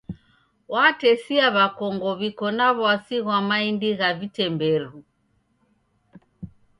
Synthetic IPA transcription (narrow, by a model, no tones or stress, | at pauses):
watɛsiaβakɔŋɡɔβikɔnaβɔasiɣwamaindiɣavitɛmbɛɾu